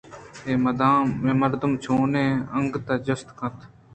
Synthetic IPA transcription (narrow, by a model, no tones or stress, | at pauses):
eːməd̪ãːẽməɾd̪əmt͡ʃʰoːnẽːəŋɡt̪aːd͡ʒəst̪kʰə̃t̪ʰ